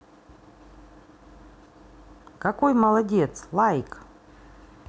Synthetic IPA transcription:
kɐkojməlˠɐdʲet̪slˠajk

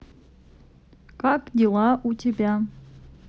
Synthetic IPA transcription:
kakdʲelˠaʔutʲebʲa

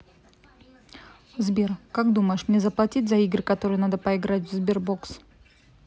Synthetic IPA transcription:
vzbʲerkakd̪uməjɪʂmnʲezəplˠɐtʲit̚ʲzɐiɡɾɨkɐt̪o̞ɾɨjnad̪əpəɪɡɾatʲvzbʲerbo̞ks

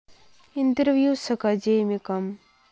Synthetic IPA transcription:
int̪ɾʋjuːsɐkɐd͡ʒeːmikɐm

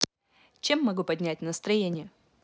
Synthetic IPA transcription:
t͡ɕe̞mːɐɡupɐdʲnʲæt̚ʲnəst̪ɾɐjenʲɪjə

